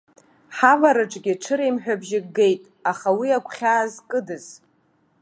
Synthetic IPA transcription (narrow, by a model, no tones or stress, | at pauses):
ħavaɾɨʈ͡ʂʼɡʲɪʈ͡ʂʰɨɾejmħᶣabʒɪɡɡejtʼ | aχawiakʷʰχʲaːzkʼɨdɨz̥